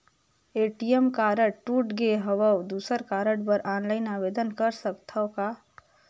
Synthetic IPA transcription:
eʈijemkaɾəɽʈuːʈɡeɦəʋəwd̪uːsəɾkaːɾəɽbəɾʔaːnlaɪnabed̪ənkəɾsəkt̪ʰəʊka

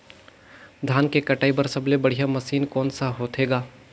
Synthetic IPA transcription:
d̪ʱaːnkekɐʈaːibɐɾsɐblebɐɽ̤ijamɐsiːnkɔːnsaɦoːt̪eːɡaː

